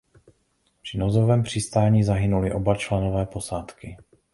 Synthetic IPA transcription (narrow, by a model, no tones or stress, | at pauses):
pr̥ɪnozovɛːmpr̝̥ɪst̪aːɲiːzaɦɪnulɪʔo̞bat͡ʃlɛnovɛːpo̞saːt̪kɪ